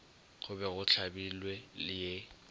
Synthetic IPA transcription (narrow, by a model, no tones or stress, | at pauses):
ɣʰʊbɛɣʊt͡ɬʰabilwɛlɪje